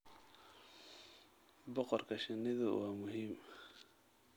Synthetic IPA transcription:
bɔqɔrkʰɐʃɪnɪðʊwɑːmʊɦiːm

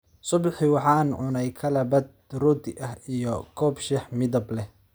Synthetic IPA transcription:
sʊbħiwɑħɑːnʕʊnɛjkʰɐlɐbɐd̪̚rʊd̪ɪʔɐhijɔkʰɔːbʃɛħmɪðɐblɛ

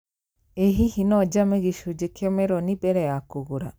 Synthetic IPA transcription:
eɦihinɔd͡ʒameɡiʃud͡ʒekɛmeɾɔnibɛɾɛakuɡuɾa

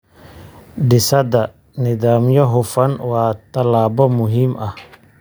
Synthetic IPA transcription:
ɖɪsɐd̪ɐ | nɪðaːmjɔɦʊfɐnwɑːt̪ʰɐlaːbɔmʊɦiːmʔɐh

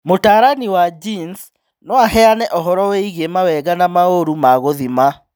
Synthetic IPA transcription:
motaːɾaniwad͡ʒins | nɔahɛanɛʔɔɦɔɾɔwɛiɣemawɛɣanamaoɾumaɣoðima

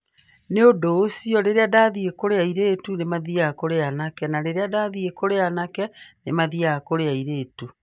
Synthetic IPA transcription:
neodoːsiɔɾeɾeadaðiekoɾeaiɾeːtunemaðiakoɾeanakɛnaɾeɾeadaðiekoɾeanakɛnemaðiakoɾeaiɾeːtu

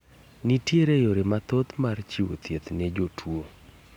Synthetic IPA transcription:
nitjeɾejoɾemat̪ot̪mart͡ʃiwo̰t̪jet̪ned͡ʒotʰwo

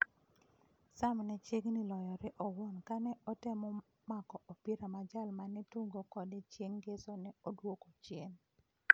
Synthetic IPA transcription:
samnɛt͡ʃeɡnilɔjɔɾɪʔɔwonkanɛɔtɪmɔ | makɔʔopiɾamad͡ʒalmanɛtuɡokɔdɪt͡ʃjeŋɡesonɛodwokot͡ʃjeŋ

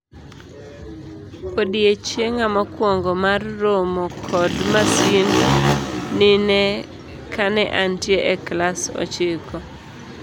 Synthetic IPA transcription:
kodiet͡ʃjeŋamakwɔŋɡɔmarːomɔkʰɔdmasinː | ɪnɛ | kanɛʔantjeʔɛklasɔ̰t͡ʃɪkɔ

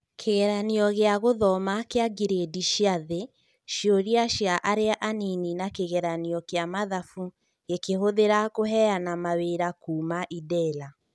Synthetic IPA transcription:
kʰeɣɛɾaniɔɣeaɣoðɔmakeaɡiɾediʃjaðe | ʃjoɾiaʃjaʔaɾeaʔanininakeɣɛɾaniɔkeamaðafu | ɣekeɦoðeɾakoɦɛanamaweɾakuːmaʔidɛla

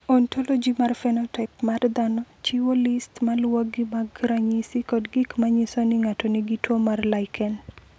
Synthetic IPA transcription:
ɔntolod͡ʒimarfɛnɔtɛkmard̪anɔt͡ʃiwolistmalwoɡimaɡɾaɲisikɔdɡɪkmaɲɪsonɪŋatɔniɡitwomarlajkʰɛn

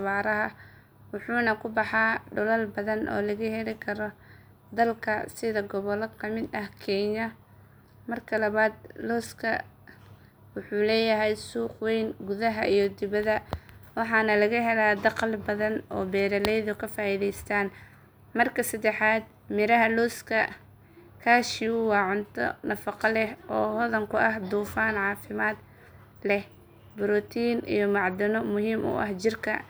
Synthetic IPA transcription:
ɐβaːɾɐɦɐ | wʊħuːnɐkʰʊbɑħɑːɖʊlɐlbɐðɐnʔɔ̰ːlɐɣɐhɛlɪkʰɐɾɔ | d̪ɐlkʰɐsɪðɐɡɔβɔlɔkʰɐmɪd̪ɐhkʰɛːɲɐ | mɐrkʰɐlɐβaːd̪̚lɔskʰɐ | wʊħuːlɛːjɐɦɛjsuːqwɛjnɡʊðɐɦɐʔijɞd̪ɪβɐðɐwɑħɑːnɐlɐɣɐɦɛlaːd̪ɑqlbɐðɐnɔ̰ːbɛːɾɐlɛjðʊkʰɐfaːiːðɛjst̪ʰaːn | mɐrkʰɐsɐd̪ɛħaːd̪̚ | mɪɾɐɦɐluːskʰɐ | kʰaːʃɪuwɑːʕʊnt̪ʰɔ̰nɐfɑqɑlɛhʔɔːhɔðɐŋkʰʊʔɐhd̪uːfaːnʕɑːfɪmaːd̪̚ | lɛh | bʊɾɔt̪ʰiːnḭjɔmɑʕd̪ɪnɔmʊhiːmʔʊ̰ʔɐ̰ht͡ʃɪrkʰɐ̰

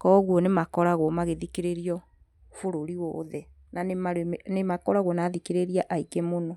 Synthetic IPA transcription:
kɔɣwɔnemakɔɾaɣwɔmaɣeðikeɾeɾiɔ | foɾoɾiwɔ̰ːðɛ | nanemaɾemnemakɔɾaɣwɔnaðikeɾeɾiaʔaikemonɔ

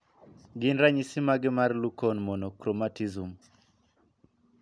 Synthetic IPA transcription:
ɡɪnɾaɲisimaɡɪmarlukɔnmɔnɔkɾomatizum

